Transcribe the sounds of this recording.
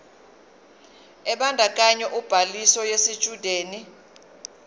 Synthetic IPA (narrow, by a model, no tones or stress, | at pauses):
ɛɓandʼʱak̬ʼaɲɛʔub̥ʱalisɔjesi̥t͡ʃʼud̥ʱeːni